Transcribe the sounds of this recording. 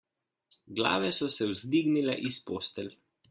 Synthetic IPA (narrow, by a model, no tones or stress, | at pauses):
ɡla̰ːʋɛsɔsɛwzd̪iːɡnilɛʔispoːst̪ɛl